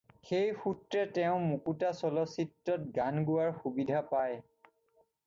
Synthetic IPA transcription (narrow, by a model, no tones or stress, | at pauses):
xejxutɹɛtɛʊ̃mukutasɔlɔsitːɔt̚ɡanɡʊaɹxubidʱapaj